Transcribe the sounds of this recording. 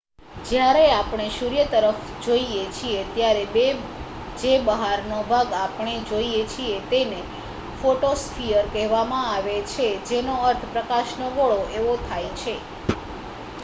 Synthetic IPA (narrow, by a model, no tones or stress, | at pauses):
d͡ʒjaɾeapɳ̃eʃuɾijət̪əɾəf | d͡ʒoiet͡ʃʰiet̪jaɾebe | d͡ʒebəɦaɾnobʱaɡapɳ̃ed͡ʒoiet͡ʃʰiet̪ene | foʈosfʰijəɾkɛɦʋamãaʋet͡ʃʰed͡ʒenoəɾt̪ʰpɾəkaʃnoɡoɭoʔeʋot̪ʰajt͡ʃʰe